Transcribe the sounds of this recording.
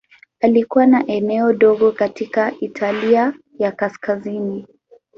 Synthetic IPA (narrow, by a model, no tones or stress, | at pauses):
alikuwanaʔɛnɛɔɗɔɠɔkatikaʔitʰalia | jakaskazini